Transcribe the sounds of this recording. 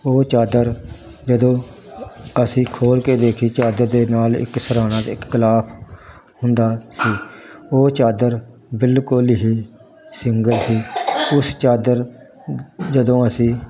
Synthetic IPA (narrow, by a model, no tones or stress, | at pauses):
oːt͡ʃaːd̪əɾ | d͡ʒəd̪õː | əsĩːkʰoːlkeːd̪eːkʰiːt͡ʃaːd̪əɾd̪eːnaːlɪ̰ksəɾaːnãːt̪ɪkːɪlaːpʰ | hʊnd̪aːsiːoːt͡ʃaːd̪əɾ | bɪlkolɪɦiː | sɪŋɡəlsiːʊst͡ʃaːd̪əɾ | d͡ʒəd̪õːəsĩː